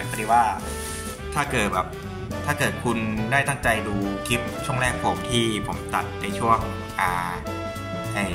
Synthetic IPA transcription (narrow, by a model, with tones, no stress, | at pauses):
a˦kʰa˧di˧waː˥˩ | t̪ʰaː˥˩kɤː˨˩t̪̚bɛː˨˩p̚ | t̪ʰaː˥˩kɤː˨˩t̪̚kʰu˧ndaː˥˩jt̪a˥˩ŋt͡ɕa˧jduː˧kʰi˦˥p̚t͡ɕʰu˥˩əŋɾɛː˥˩k̚pʰoː˧mt̪ʰiː˥˩pʰo˩˦mt̪a˨˩t̪̚ːa˧jt͡ɕʰu˥˩əŋ | ʔaː˨˧˩ | ha˧˩j